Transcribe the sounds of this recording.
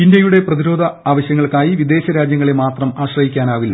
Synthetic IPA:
indjɐjuɽe̞prɐðiɾo̞ːd̪ʱɐaːʋɐɕjɐŋːɐɭkaːjiʋid̪e̞ːɕɐɾaːd͡ʑjɐŋːɐɭemaːt̪rɐmaːɕrɐɦikʲːaːnaːʋilːɐ

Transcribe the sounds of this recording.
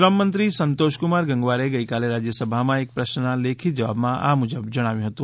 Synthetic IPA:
ɾəmːə̃nt̪ɾisə̃nt̪oːʃkʊmaːɾɡɐ̃ŋɡʋaːɾeɡɐikaːleɾaːd͡ʒjəsəbʱamãeːk̚pɾɐʃnaleːkʰid͡ʒɐʋa̰ːbmãʔa̰mʊd͡ʒəbd͡ʒɐɽ̃aːʋjõɦɐt̪ũː

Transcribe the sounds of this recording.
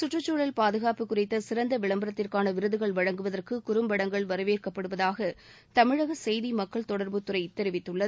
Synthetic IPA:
sʊʈrɐt͡ʃːoːɭɐlpaːðɯɣaːpɯkːʊrɪt̪ːɐsɪɾɐnd̪ɐʋɪɭɐmbɐɾɐt̪ːɪrkaːnɐʋɪɾɯðɯɣɐɭʋɐɻɐŋɡɯʋɐðɐrkɯkʊɾɯmbɐɽɐŋɡɐɭʋɐɾɯʋeːrkɐpːɐɽɯʋɐðaːɣɐ | t̪ɐmɪɻɐɣɐsɛjðimɐkːɐɭt̪ɔɽɐɾbɯt̪ːʊɾɐɪt̪ːɛɾɪʋɪt̪ːɯɭːɐð

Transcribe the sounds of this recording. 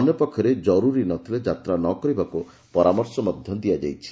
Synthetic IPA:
ɔnjɔpɔkʰːjɔɾed͡ʒɔɾuɾinɔt̪ʰiled͡ʒat̪ɾanɔkɔɾibaku | pɔɾamɔɾsɔmɔd̪ʱjɔd̪iad͡ʒajt͡ʃʰi̥

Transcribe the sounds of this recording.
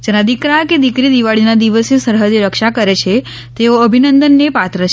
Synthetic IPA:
d͡ʒənad̪ikɾaked̪ikɾid̪iʋaɭinad̪iʋəsesəɾɦəd͡ʒ̪ɾəkʃakəɾet͡ʃʰe | t̪eoəbʱinənd̪ənːepat̪ɾət͡ʃʰ

